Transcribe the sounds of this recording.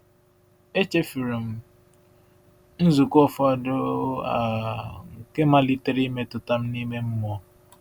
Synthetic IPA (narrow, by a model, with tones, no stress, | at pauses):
e˦t͡ʃe˦fi˨ɾi˨m̩˦ | n̩˦zu˨kɔ˦fɔ˦a˦˨dʊ˦a˨ŋ̩˨ke˦ma˦li˦te˦ɾi˦me˦tʊ˨ta˦m̩˦ni˦me˦m̩˦mɔ˦